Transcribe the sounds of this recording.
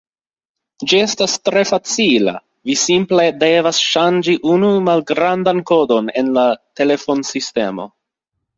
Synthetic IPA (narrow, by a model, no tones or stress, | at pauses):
d͡ʒie̞stastɾe̞fat͡sila̰ | visimple̞de̞vasʃand͡ʒiʔunumalɡɾandanko̞do̞ne̞̰nlate̞le̞fo̞nsiste̞mo̞̰